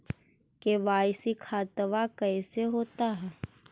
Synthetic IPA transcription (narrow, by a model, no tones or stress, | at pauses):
keʋaːjsikʰaːt̪ʋakɛːseɦoːt̪aɦɛː